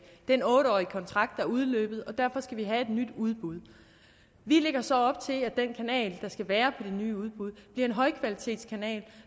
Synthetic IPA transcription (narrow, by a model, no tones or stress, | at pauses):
d̥enɔ̽ːɾəɒ̰ːikʰɒ̽nt͡sʰʁɑ̈ɡ̥d̥ɑ̈æɐuð̞ˠlø̰ːb̥ð̞̩ˠɒ̽d̥æɐ̰fɒ̽sɡ̥æʋiɦæe̝d̥nyd̥uð̞ˠb̥uð̞ˠ | ʋile̝ɡ̥ɐsɒ̽ɒ̽b̥̚t͡sʰe̝læd̥enkʰænɛ̰ːld̥ɑ̈sɡ̥æʋæːɐpʰɒ̽d̥e̝nyːuð̞ˠb̥uð̞ˠb̥liɐe̝nɦɒ̽ɪkʰʋælit͡sʰe̝̰ːd̥skʰænɛ̰ːl